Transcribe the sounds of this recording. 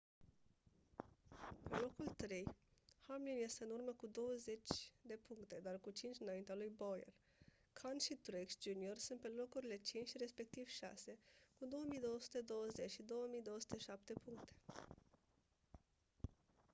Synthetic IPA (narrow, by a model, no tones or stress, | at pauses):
pelo̞kult̪ɾe̞jhamlinje̞st̪eɨnurməkud̪o̞wəze̞t͡ʃʲd̪e̞puŋkt̪e̞d̪arkut͡ʃint͡ʃʲɨnaint̪ealujbojḛr | kʰanʃit̪ɾeksd͡ʒuniorsunt̪̚pe̞lo̞kuɾile̞t͡ʃint͡ʃʲre̞spe̞k̚t̪iv̥ʃa̰se̞kud̪o̞wəmijd̪o̞wəsu̥t̪e̞d̪o̞wəze̞t͡ʃʃid̪o̞wəmijd̪o̞woəsu̥t̪e̞ʃap̚t̪e̞puŋkt̪e̥